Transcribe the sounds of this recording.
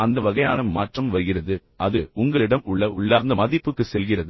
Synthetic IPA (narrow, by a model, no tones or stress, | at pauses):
ɐnd̪ɐʋɐɣɐja̰ːnɐmaːʈrɐmʋɐɾɯɣɪrɐðɯʔɐðɯʊŋɡɐɭɪɽɐmʊɭːɐʊɭːaːɾnd̪ɐmɐðɪpːɯkːɯsɛlɣɪrɐðɯ